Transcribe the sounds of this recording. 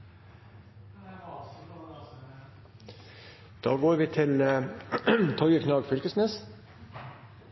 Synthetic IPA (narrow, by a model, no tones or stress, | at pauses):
d̪̥ɑːɡoːɾʋiːt̪ʰɪl | t̪ʰɔʏəkʰnɑːɡfʏlkəsneːs